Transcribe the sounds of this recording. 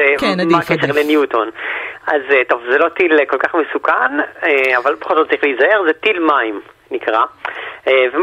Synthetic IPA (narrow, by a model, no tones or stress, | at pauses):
ekenːamkeʃelenjutonazeto̞vzelo̞tilko̞lkaχmesukaneavalpḁχolzot̪̚t͡saʁiχlijizaeʁzetilmaim | nikʁaevem